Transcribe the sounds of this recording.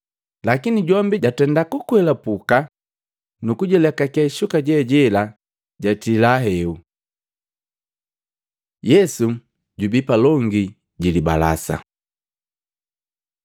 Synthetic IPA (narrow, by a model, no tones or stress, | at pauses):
lakiniɟɔmbiɟatɛndakukwɛlapuka | nukuɟɔlɛkakɛʃukaɟɛɟɛla | ɟatilaɦɛu | jɛsu | ɟubipalɔŋɡi | ɟiliba̰la̰sa̰